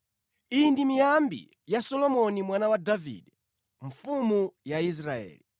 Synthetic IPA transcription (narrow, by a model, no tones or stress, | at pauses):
indimijambḭ | jasɔlɔmɔnimwanawadavḭːɗɛ | ɱ̩fumujais̬ɾaɛ̰ːli